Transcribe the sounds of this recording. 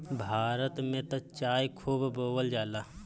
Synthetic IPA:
bʱaːɾət̪mẽt̪ət͡ʃaːjkʰuːbboːwəld͡ʒaːlaː

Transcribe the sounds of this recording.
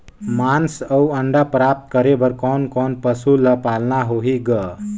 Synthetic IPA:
mansəwəɳɖapɾap̚t̪̚kəɾebəɾkɔːnkɔnpəsuləpalnaɦoɦiɡə

